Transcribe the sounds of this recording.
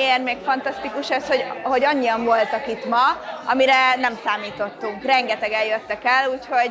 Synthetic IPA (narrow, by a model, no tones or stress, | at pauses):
eːrmeːkfɒnt̪ɒst̪ikuʃɛsho̞ɟho̞ɟɒɲːiɒɱvo̞lt̪ɒkit̪mɒɒmiɾɛnɛmsaːmiːt̪o̞t̪ːuŋkrɛŋɡɛt̪ɛɡɛjjøt̪ːɛkɛluːcho̞ɟ